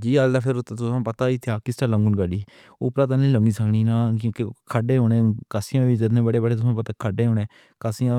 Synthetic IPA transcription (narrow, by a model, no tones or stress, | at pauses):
d͡ʒiːalːapʰɪɾt̪ːt̪ʊsãːpət̪aːiːt̪ʰaːkɪsʈaːlə̃ŋɡʊnɡəɖiː | ʊpɾãːt̪̬anələŋɡiːsəkɳ̃iːnaːkjõːkekʰəɖeːɦoːnẽːkəsɪjãːʋiːd͡ʒɪt̪nẽːbəɽeːbəɽeːt̪ʊsãːpət̪aːkʰəɖeːɦoːnẽː | kəsɪjã